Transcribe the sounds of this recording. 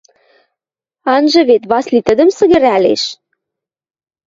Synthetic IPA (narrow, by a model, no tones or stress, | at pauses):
ɑnʒɤ̆βet̪βɑslit̪ə̆d̪ə̆msə̆ɣə̆ɾælḛʃ